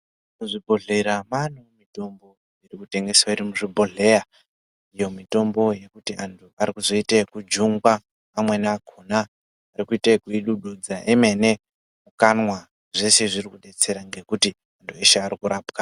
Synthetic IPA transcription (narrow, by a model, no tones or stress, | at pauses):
muʐibʱo̞ɮe̞ɾamanomito̞mbo̞ | irikute̞ŋɡe̞swaiɾimuʐibʱo̞ɮe̞ɾa | ijo̞mito̞mbo̞je̞kutiʔantʰuaɾikuzo̞itekud͡ʒuŋɡwaː | mwe̞naakʰonaː | rikuitekuiɗuɗud͡zaʔeme̞ne | mukanwa | ʐe̞se̞ʐirikuɗe̞t͡se̞ɾaŋɡe̞kuti | antʰue̞ʃeaɾikuɾaːpka